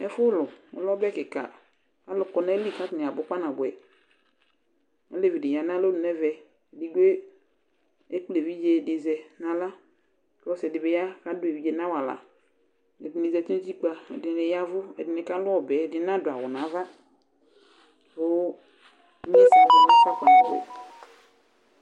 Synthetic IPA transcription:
ɛ˦fʊ˦lɔ˨ɔ̰˨˦lɔ˦bɛ˦kɪ˨ka̰˨ | ka˦lʊ˨kɔ˨nɛ˦li˦˨ka˦tnɪ˨a˨bʊ˨˦k͡pa˦nã˨bʊ˨ɛ˨ | ɔ˦le˦˨vi˨dɪ˨ja˨n˦ã˦lo˦nʊ˨nɛ˦vɛ˨ | di˨ɡe˦ | e˦ku˦le˨vi˦d͡ʒe˦˨dɪ˨zɛ˨na˨la˦ | kɔ˦sɛ˨dɪ˨bɛ˨ja˦ka˦dʊ˦e˨vi˨˦d͡ʒe˨nã˦wa˨la̰˨ | nɛ˨bi˨ni˨zɛ˨ti˦d͡ʒi˦k͡pa˨ɛ̰˨dɪ˨ne˨ja˦vʊ˦ɛ̰˨dɪ˨nɪ˨ka˦lʊ˦ɔ˨bɛ˨dɪ˨˦nã˦dʊ˨a˨wʊ˨nã˨˦va˦ | o˦ | e˦sa˨a˦la˦ka˦kɔ˨nã˨bɛ̰˨

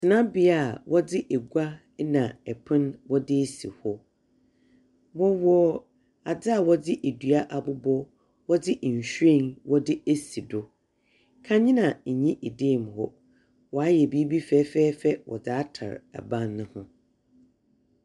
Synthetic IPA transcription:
tʰɪ˨nã˦bi˦a˦˨wʔɔ˦dɪ˦ʔɛ˨ɡʷa˦ | nã˨ɛ˨pʰɪ̃˦nwɔ˦dɪ˦e˦sḭ˨hɔ˦ | wɔ˦wɔ˦ | a˨dɪ˦a˨wɔ˦dɪ˦ʔe˨dɥa˦ʔa˨bʊ˦bɔ˦ | wɔ˦dɪ˦ʔ̩˨ɕᶣẽ˦˨nwɔ˦dɪ˦e˦si˨dʊ˨ | kʰã˦ɲɪ̃˦nã˨ɲĩ˦ʔe˨de˦˨m˨hɔ˦ | wɔ˨a˦jɛ˨bi˦bi˦fɛː˦fɛː˦fɛ˦wʔɔ̰˨daː˨˦tʰa̰˨ɾa̰˨bã˦nːʊ̃˦hʊ̃˦

